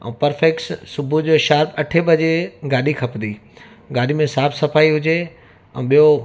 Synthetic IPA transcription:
ɛ̰̃ːpɐɾfekssʊbʱud͡ʑoːʃaːɾbɐʈʰeɓɐd͡ʑeɡaːɗikʰɐpnd̪iː | ɡaːɗimẽsaːbsɐfaːiɦʊd͡ʑe | ɛ̰̃ːɓijo

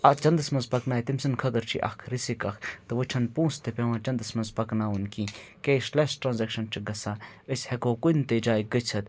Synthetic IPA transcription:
ɐt͡ʃɐnd̪ɨsmɐnzpɐknaːjt̪imsɨnkʰɐd̪əɾt͡ʃʰḭʔɐ̰kʰɾisikɐkʰt̪ɨʋɨt͡ʃʰɐnpũːst̪ʰepʲeʋãːt͡ʃɐnd̪ɨsmɐnzpɐknaːunkĩːkeʃlesʈɾaːnzekʃɐnt͡ʃʰiɡɐsãːəsʲhekoːkunt̪ed͡ʒaːjɡət͡ʃʰɐt̪

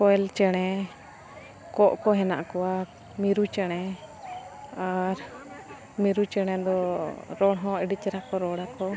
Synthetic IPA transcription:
kɔɛlt͡ʃɛɽ̃ɛ | kɔʔkɔɦɛna̰ʔkɔwa | miɾut͡ʃɛɽ̃ɛ | aɾ | miɾut͡ʃɛɽ̃ɛ̃d̪ɔɾɔɽɦɔ̃ɛɖit͡ʃɛɾakɔɾɔɽakɔ

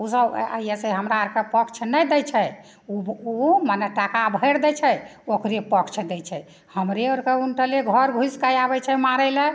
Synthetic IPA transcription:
usəbə̰jɛseɦəmɾaəɾkəpəkt͡ʃʰnɛjd̪ɛjt͡ʃʰɛ | uumanɛʈakabʱəjɾd̪ɛt͡ʃʰɛokɾepəkʰt͡ʃʰd̪ɛt͡ʃʰɛ | həmɾeoɾkəunʈəleɡʱəɾɡʱuskajabɛt͡ʃʰɛmaɾɛlɛ

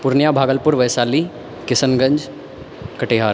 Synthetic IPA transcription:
pʊɾnjabʱaːɡəlpʊɾʋɐjsaːli | kɪsənɡə̃ɲd͡ʒ | kəʈeɦaːɾ

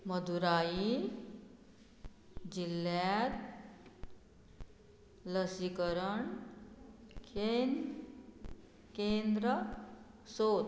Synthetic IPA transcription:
məd̪ʱuɾai | d͡ʑilːjat̪ | ləsikəɾəɳ | ken | kend̪ɾə | sot̪

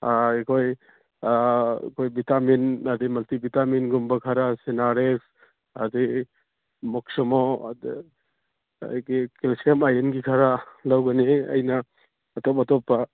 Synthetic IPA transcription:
akʰoj | kʰojbitaminadimɐltibitaminɡumbɐkʰaɾasenaɾes | adi | mɔk̚sɔmɔ | jɡikelsemajɾenɡikʰaɾalawɡɐneɐ̰jnaː | tɔp̬atɔpːa

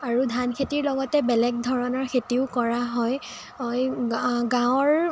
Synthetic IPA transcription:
aɹudʱankʰetiɹlɔɡɔtɛbɛlɛɡ̚dʱɔɹɔnɔɹkʰetiʊkɔɹaɦɔj | ɔjɡãwɔɹ

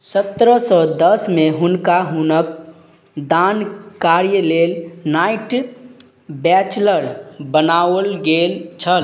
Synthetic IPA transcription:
sət̪ɾəsɔd̪əsmeɦʊnkaɦunək̚ | d̪ankaɾjəlelnaɪʈ | bɛt͡ʃləɾbənawəlɡelt͡ʃʰəl

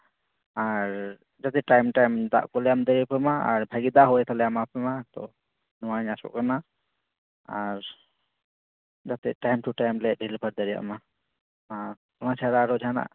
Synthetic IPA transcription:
aɾ | d͡ʒat̪ɛʈajmʈajmd̪a̰ʔkɔlɛjamd̪əɾijapɛmaa̰ɾbʱaɡid̪aɦɔɛt̪ʰalɛjamapɛmat̪ɔ̰ | nɔwaɲasɔ̰ʔkana | aɾ | d͡ʒat̪ɛ̰ʈajmʈuʈajmlɛɖʱilibʰəɾd̪əɾija̰ʔma | a | kɔnat͡ʃʰaɾaɾɔd͡ʒʱana̰ʔ

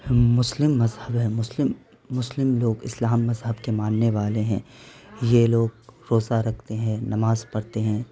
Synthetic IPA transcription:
mʊslɪmːɐzhəbɦɛ̃mʊslɪmː | ʊslɪmloːɡɪ̰slaːmːɐzɦəbkemaːnːeʋaːleɦɛ̃ːjeloːɡ̚ɾoːzaɾɐkʰt̪eɦɛ̃nɐmaːzpɐɾt̪eɦɛ̃ː

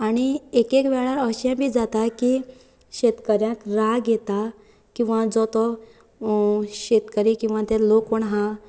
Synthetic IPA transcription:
aɽ̃iekekʋɛɭaɾəɕjãbʱiːd͡zat̪aki | ɕet̪kəɾjãkɾaɡet̪a | kĩw̃ʋad͡zɔt̪ɔ | ɕet̪kəɾikĩw̃ʋãt̪eɾlokəɳɦã

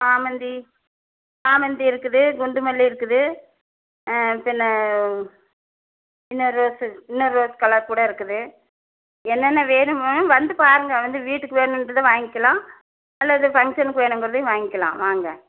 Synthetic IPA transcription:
aːmɐnd̪i | aːmɐnd̪iɪɾɯkːɯðɯɡʊɳɖɯmɐlːiɪɾɯkːɯðɯ | pɪnːɐ | ɪnːɯɾoːsɪnːɯɾːoːskɐlɐɾkuːɽɐɪɾɯkːɯðɯ | ɛnːɛnːɐʋeːnɯmɯʋɐnd̪ɯpaːɾɯŋɡɐʋɐnd̪ɯʋiːʈːɯkːɯʋeːɳʊmɾɐðɯʋaːŋɡɪkːɐlãː | ɐlːɐðɯfɐŋkʂɐnkːɯʋeːɳɯmɡɯɾɐðɯʋaːŋɡɪkːɐlã̰ːʋaːŋɡɐ

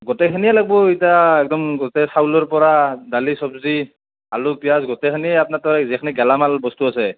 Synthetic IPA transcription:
ɡɔtɛkʰanijɛlaɡ̚bɔitaɛk̚dɔmɡɔtɛsawlɔɹpɔɹadalisɔbzi | alupijasɡɔtɛkʰaniɛapnatɔɹɛzɛkʰaniɡɛlamalbɔstuasɛ

